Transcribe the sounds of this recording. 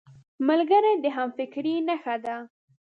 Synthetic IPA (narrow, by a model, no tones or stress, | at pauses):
malɡəɾad̪əɦamfɪkɾinaxad̪a